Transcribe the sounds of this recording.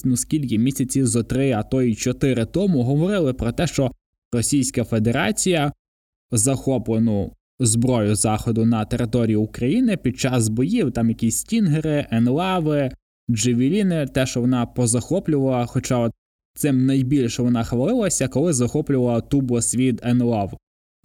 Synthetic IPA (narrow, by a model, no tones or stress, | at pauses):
nʊskʲilʲkɪmʲisʲɐt͡sʲiwzɐt̪ɾɪɐt̪ɔjit͡ʃɔt̪ɪɾɪt̪ɔmʊɦɔʋɔɾɪlˠɪpɾɔt̪ɛʃt͡ʃɔ | rɔsʲijsʲkɐfed̪eɾɑ̰t͡sʲijɐ | zɐxɔplˠenʊ | zbɾɔjʊzɑxɔd̪ʊnɐt̪eɾʔɪt̪ɔɾʲijiʊkɾɐjinɪpʲid̪̚t͡ʃɑsbɔjiwt̪ɑmjɐkʲisʲtʲinɦeɾɪʔɛnlˠɑʋɪ | d͡ʒɪʋʲilʲinɪt̪ɛʃt͡ʃɔʋɔnɑpɔzɐxɔplʲʊʋɐlˠɐxɔt͡ʃɑ | t̪sɪmnɐjbʲilʲʃɛʋɔnɑxʋɐlˠɪlˠɐsʲɐkɔlˠɪzɐxɔplʲʊʋɐlˠɐt̪ublˠɔsʋʲid̪ɛnlˠɑw